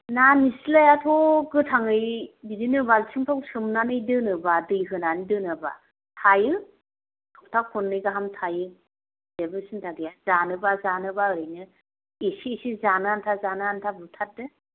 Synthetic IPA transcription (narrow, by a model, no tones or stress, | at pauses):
nanisilajatʰɔɡɯtʰaŋɯjbidinɯbalsiŋtʰawsɯmnanɯjdɯnɯbadɯjɦɯnanidɯnɯba̰ | tʰajɯ | tʰɔw̚tʰakʰɔnːɯjɡaɦamtʰajɯ | debɯsɯntʰaɡijazanɯbazanɯbaɯɾɯjnɯ | esiːsizanɯantʰazanɯantʰabutʰat̚dɯ